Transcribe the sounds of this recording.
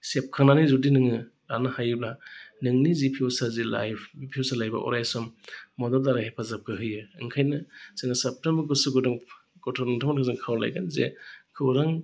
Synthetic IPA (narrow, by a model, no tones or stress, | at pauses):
sep̚kʰaŋnanizudinɯŋɯ | ɾanɯhajɯblanɯŋnizipʰiwsazila̰jpʰiwsalajba̰ʔɔ̰ɾajsɔmːɔdɔldaɾaɦepʰazap̚kʰɯɦɯjɯɯŋkʰajnɯseŋnasep̚tembɾɡɯsuɡɯdɔŋ | kɔtʰɔɾnɯŋtʰamaɾkʰɯzɯŋkʰawla̰jɡanzḛkʰɯwɾaŋ